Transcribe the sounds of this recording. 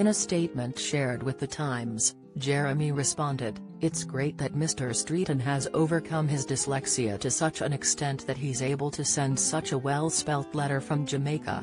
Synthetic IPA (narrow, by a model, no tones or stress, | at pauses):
ɨ̃ɾ̃ɨsteɪt̚mɨ̃ntʃɛɹd̚wɨðɨtʰãɪ̃mz̥ | d͡ʒɛɹɨmiɹɨspɑ̃ndɪɾ | ɨtsɡ̥ɹeɪt̪̚ðɨt̚mɪstə˞stɹ̥iɾɨ̃nɨzoʊvə˞kʰʌ̃mɨzdɨslɛksiɨ̰ɾɨsʌt͡ʃɨ̃nɨkstɛ̃nðɨt̚ɦiɨzeɪbəl̩ˠtʰɨsɛ̃nd̥sʌt͡ʃəwɛlˠspɛlˠtˡlɛɾə˞fɹʌ̃md͡ʒɨmeɪkʰə̰